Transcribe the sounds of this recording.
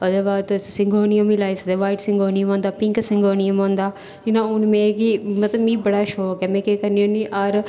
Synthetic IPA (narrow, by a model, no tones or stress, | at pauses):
od̪eːbaːt̪ossɪ̃ŋɡoːnijəmilaːisəd̪eːʋaːiʈsɪ̃ŋɡoːnijəmõːnd̪aːpɪ̃ŋksɪ̃ŋɡoːnijəmõːnd̪aː | d͡ʒɪnãːʊnmẽːkimət̪ləmĩːbəɽaːʃoːkɛːmẽːkeːkəɾnijoniːʔaɾ